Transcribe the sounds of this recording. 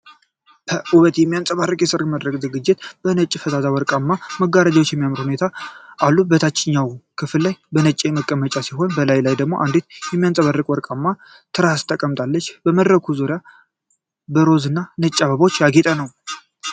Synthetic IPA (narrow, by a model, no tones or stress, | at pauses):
bʰəʔuβət̪jɛmːijant͡sʼəβarːɨkʼjɛsɨɾməd̪ɾəkʼzɨɡɨd͡ʒːɪt̪b̥ənət͡ʃʼːifət̪ʰazawɔɾkʼamːaməɡaɾad͡ʒawot͡ʃːjɛmːijamɨɾhune̞t̪ʰaʔalːubət̪ʰat͡ʃʼːɪɲːawkʰɨfɨlːajbənət͡ʃʼeməkʼːəmət͡ʃʼasiɦo̞nbəlajlajd̪əɡmo̞ʔand̪et̪jɛmːijant͡sʼəβarːɨkʼwɔɾkʼamːa | t̪ʰɨɾast̪ʰʼːəkʼəmt̪ʼalːət͡ʃːbəməd̪ɾəkʰuzoɾja | bəɾo̞zɨnːanət͡ʃʼːaβəβo̞t͡ʃːjaɡet̪ʼənəw